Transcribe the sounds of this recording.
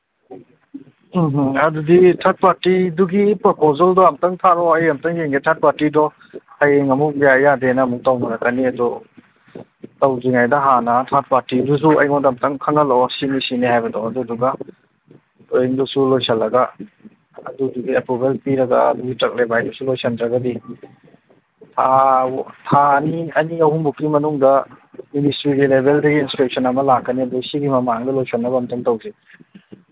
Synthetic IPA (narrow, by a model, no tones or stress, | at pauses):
m̩ɦɐduditʰat̚paɾtiduɡipɔpʰozaldɔamtaŋtʰaɾɔɐjɐmtaŋjeŋɡetʰat̚paɾtidɔ | ajeŋɐmuk̚bijajadenamuk̚tawnaɾakaniɐdɔ | tawziŋajdaɦanatʰat̚paɾtidus̬ua̰jŋɔndamtaŋkʰaŋalɔsinisinihajbɐdɔɐduduɡa | lojiŋdusulojsɐlːɐɡa | ɐ̰duduɡiapubelpiɾɐɡɐ̰ɐ̰duɡitɾɐk̚lebajdusulojsʰɐndɾɐɡɐdi | tʰa | tʰaniɐniɐwhuŋbukːimɐnuŋdɐ | ministɾiɡilebeldɐɡiːnspek̚sʰɐnɐmɐlakːɐniɐdusiɡimɐmaŋdɐlojsʰɐlnɐbɐmtɐŋtɐwzi